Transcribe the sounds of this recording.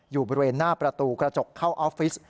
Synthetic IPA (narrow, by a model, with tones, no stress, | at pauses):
juː˨˩bɔː˧ɾi˧weː˧nːaː˥˩pɾa˧t̪uː˧kɾa˧t͡ɕo˨˩kʰːaː˥˩wʔɔː˦˥fi˦˥s